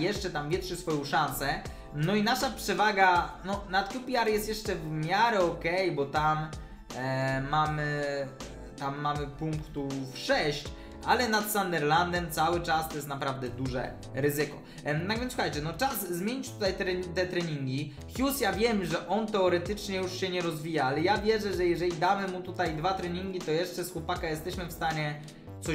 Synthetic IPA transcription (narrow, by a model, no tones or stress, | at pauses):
jɛʂt͡ʂɛt̪amvʲjɛʂɘsfɔjɔ̃w̃ʂansɛ | nɔinaʂapʂɛvaɡanɔnat̪ʲupʲiaɾjɛst̪jɛʂt͡ʂɛvmʲjaɾɛɔkɛjbɔt̪am | amɘ | t̪amːamɘpuŋkt̪ufʂɛɕt͡ɕ | ʔalɛnat̪sand̪ɛɾland̪ɛmt̪sawɘt͡ʂast̪ɔjɛst̪napɾavd̪ɛd̪uʐɛ̰ | ɾɘzɘkɔ̰ | aɡvʲɛnswuxajt͡ɕɛnɔt͡ʂazzmʲjeɲit͡ɕt̪ut̪ajt̪ɾɛt̪ɛt̪ɾɛɲiŋɡʲi | xʲjusjavʲjɛmʐɛʔɔnt̪ɛɔɾɛt̪ɘt͡ʂɲɛjuʂɕɛɲɛɾɔzvʲijaalɛjavʲjɛʐɛʐɛjɛʐɛlʲid̪amɘmut̪ut̪ajd̪vat̪ɾɛɲiŋɡʲit̪ɔjɛʂt͡ʂɛsxwɔpakajɛst̪ɛɕmɘfst̪aɲɛ | sɔ